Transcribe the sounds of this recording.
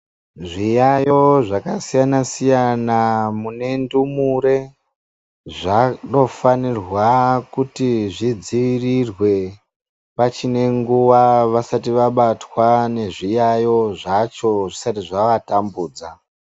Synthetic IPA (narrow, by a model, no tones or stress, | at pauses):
ʐijajo̞ʐakasijanasijanamune̞ndumuɾe̞ | ʐano̞fanirwakutiʐid͡ziʋirirwe̞ | pat͡ʃine̞ŋɡuʋaʋasatiʋaɓatwane̞ʐijajo̞ʐat͡ʃo̞ʐisatiʐaʋatambuːd͡za